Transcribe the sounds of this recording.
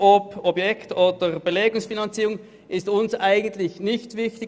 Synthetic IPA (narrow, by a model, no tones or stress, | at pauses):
ɔpɔbjɛktoːd̥əʁb̥eleːɡʊŋsfinɑnt͡siːʁʊŋ | ʔɪstʊnsʔaɪɡən̩tlɪçnɪçtvɪçtɪ